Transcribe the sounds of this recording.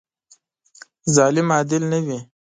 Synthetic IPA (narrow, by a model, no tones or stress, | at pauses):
zɑlɪmɑːd̪ɪlnəwi